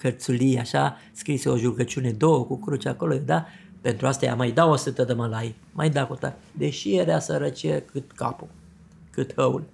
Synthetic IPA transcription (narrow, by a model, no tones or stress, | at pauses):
kərt̪sulieaʃa | skɾiseoʒuɡət͡ʃune̞d̪o̞wəkukɾut͡ʃako̞lojed̪ape̞nt̪ɾuast̪aja̰majd̪aosɨt̪əd̪əməlaj | majd̪akut̪a̰t | d̪eʃieɾeasəɾət͡ʃiekɨt̪ka̰pu | kɨt̪həul